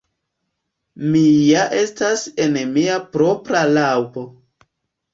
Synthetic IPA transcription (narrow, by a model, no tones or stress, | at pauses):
mijaʔe̞stase̞nmiapɾo̞pɾalawpo̞